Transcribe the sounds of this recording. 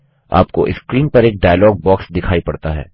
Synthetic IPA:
a̰ːpko̰ʔɪskɾiːnpɐɾeːk̚ɖaːjlɔːɡ̚bɔːksd̪ɪkʰaːipɐɽt̪aɦɛ̰ː

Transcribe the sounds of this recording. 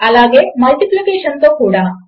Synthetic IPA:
ɐlaːɡe̞ːmɐlʈiplikeːʂɐnt̪o̞ːkuːɽaː

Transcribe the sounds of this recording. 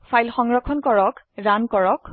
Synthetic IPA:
fʰajlxɔŋɹɔkʰɔnkɔɹɔk | ɹankɔɹɔk

